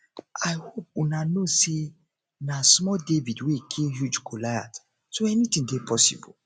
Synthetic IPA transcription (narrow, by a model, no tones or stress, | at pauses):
aɪhop̚unanose | nasmɔdevidwekʰẽmhjud͡ʒkolaa̰t | soɛnitĩŋdepʰɔsḭbɔ̰l